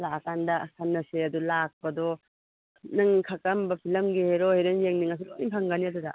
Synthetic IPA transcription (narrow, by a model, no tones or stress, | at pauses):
lakandɐsʰanːɐseɐdulak̚pɐdɔ | nɯŋkʰakɐmbɐpʰilɐmɡiheɾɔheɾeŋjeŋniŋɐs̬iloimpʰaŋɡɐniɐdudɐ̰